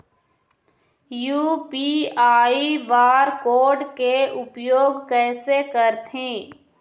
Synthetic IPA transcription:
juːpiːaːiʋaːɾkoːɾɖkeʊpjoːɡkɛːsekəɾt̪ɦẽː

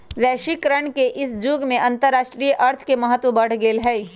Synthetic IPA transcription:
ʋɛːʃikɾəɳkeʔɪsd͡ʒuːɡmẽʔɐ̃nt̪əɾːaːʃʈɾijəʔɐɾt̪ʰkemɐɦət̪wəbɐɽ̤ɡeːlɦɛː

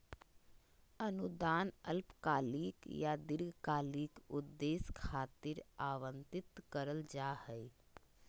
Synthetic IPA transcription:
ənud̪aːnə̰lpkaːliːkjad̪ɪɾɡkaːliːkʊd̪ːeːskʰaːt̪iɾaːʋə̃nt̪ɪt̪kəɾəld͡ʒaːhɛi

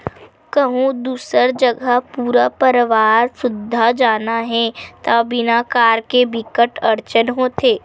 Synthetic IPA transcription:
kəɦũd̪uːsəɾd͡ʒəɡʱapuːɾapəɾʋaːɾsʊd̪ʱːad͡ʒaːnaɦɛt̪abɪnakaːɾkebɪkəʈəɾt͡ʃənɦoːt̪eː

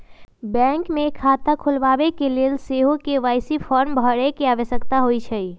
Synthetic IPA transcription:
bɛ̃ŋkmekʰat̪akʰulʋaʋekelelseɦokeʋaːɪsipʰɔɾmbʱəɾekeaʋəʃəkt̪aɦoit͡ʃʰəi

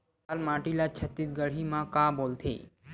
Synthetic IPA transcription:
almaːʈilat͡ʃʰɐt̪it̪ɡəɽ̤imãkaboːlt̪ʰḛː

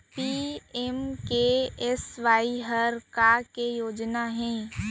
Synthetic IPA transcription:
piemkeesʋaːiɦəɾkakejoːd͡ʒnaɦɛ̃ː

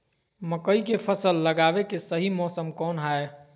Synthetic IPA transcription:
mɐkəikefʰəsəlːəɡaːʋekesəɦimɔːsəmkɔːnɦaːe

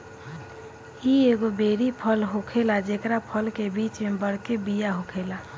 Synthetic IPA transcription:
ieɡobeɾipʰəlɦokʰelad͡ʒekɾapʰəlkebit͡ʃmebəɽkebijaɦokʰela

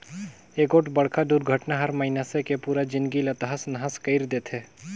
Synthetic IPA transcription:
eːkoːʈbəɽkʰad̪uːɾɡʱəʈnaɦɐɾməɦinasekepuːɾad͡ʒɪ̃nɡilət̪əɦəsnɐɦəskəɪɾd̪eːt̪ʰeː

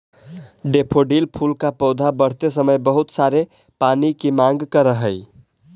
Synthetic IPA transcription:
ɖepʰoɖilpʰulkapəʊd̪ʱabəɽ̤t̪esəməjbəɦut̪saɾe | panikemaŋɡkəɾəɦəj

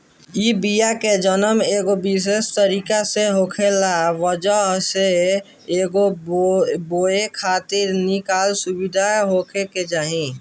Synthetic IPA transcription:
ibijaked͡ʒənəmeːɡobis̬est̪əɾiːkaseɦoːkʰelaʋəd͡ʒəɦse | eːɡo | boːekʰaːt̪ɪɾnikaːlsubɪd̪ʱaɦoːkʰeked͡ʒaːɦĩ

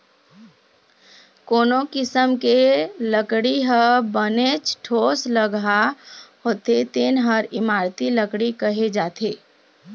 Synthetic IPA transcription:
koːnokɪsəmkeləkɽiɦəbənet͡ʃʈʰosləɡaɦot̪et̪enɦəɾimaɾt̪iləkɽikəɦed͡ʒat̪ʰe

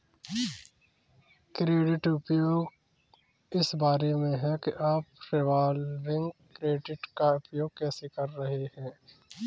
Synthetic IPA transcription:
kɾeːɖɪʈʊpjoːɡ | ɪsbaːɾemẽɦɛ̃keʔaːpɾeʋaːlɾɪ̃ŋɡkɾeːɖɪʈkaʊpjoːɡ̚kɛːsekɐɾːɐɦehɛ̃ː

